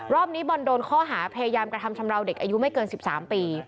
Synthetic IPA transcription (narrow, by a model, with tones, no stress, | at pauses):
ɾɔː˥˩p̚niː˦˥bɔ˧ndoː˧nkʰɔː˥˩ɦaː˩˦pʰa˧ja˧jaː˧mkɾa˧a˧mt͡ɕʰa˧mɾa˧wde˨˩k̚ʔaː˧ju˦˥ma˥˩jkɤː˧nsi˨˩p̚sa̰ː˩˦mpiː˧